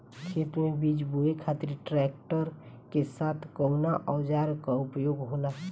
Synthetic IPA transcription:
kʰet̪ɾmebid͡ʒbuekʰat̪iɾʈɾɛk̚ʈəɾ | kesat̪ʰkəʊnaʔɔwd͡ʒaɾkaupjoɡɦola

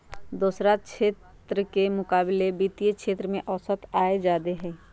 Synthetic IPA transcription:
d̪uːsɾakʃeːt̪ | ɾəkemʊkaːbɪlebiːt̪ijekʃeːt̪ɾəmẽʔɔːsət̪aːed͡ʒaːd̪eɦɛː

